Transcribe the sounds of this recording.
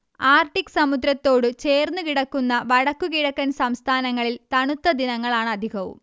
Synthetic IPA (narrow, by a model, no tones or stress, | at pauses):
aːrʈikːɨ̥sɐmud̪ɾɐt̪ːo̞ːɽɨt͡ɕe̞ːrnːukiɽɐkːunːɐʋɐɽɐkːukiɽɐkːɐnsɐmst̪ʰaːnɐŋːɐɭilt̪ɐɳut̪ːɐd̪inɐŋːɐɭaːɳɨɐd̪ʱiɡɐʋṵm